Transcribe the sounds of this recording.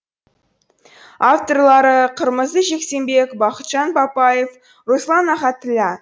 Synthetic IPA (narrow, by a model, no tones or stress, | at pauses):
aft̪o̞rlˠɑɾəqʰəɾməzd̪əʒe̞kse̞mbe̞kbɑqət̪ʒ̥ɑnbɑpɑjef | ɾoslˠɑnɑχɑt̪ːɪlʲɑ